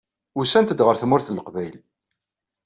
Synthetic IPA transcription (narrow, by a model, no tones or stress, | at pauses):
usænt̪əd̪ʁəɾθmːʊɾθləqvæjl